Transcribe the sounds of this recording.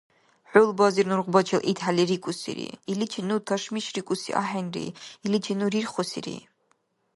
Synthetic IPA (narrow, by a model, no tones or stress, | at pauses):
ħʷʊlbazirnurʁʷbat͡ʃʰalʔitʰħaliɾikʷʼusḭɾḭilit͡ʃʰinutʰaʂmiʃrikʷʼʊsḭʔa̰ħanrḭilit͡ʃʰinuɾirχosḭɾḭ